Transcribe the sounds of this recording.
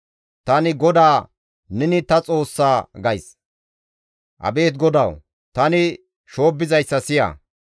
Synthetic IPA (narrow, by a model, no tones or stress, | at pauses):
t̪ɐnɪɡɔd̪aː | nɛnɪt̪ɐt͡sʼo̞ːsːaːɡɐjs | ʔɐ̰be̞ːt̪̬ɡɔd̪ɐw | t̪ɐnɪ | ʃo̞ːbːɪzɐjsːɐsɪjɐ̰ː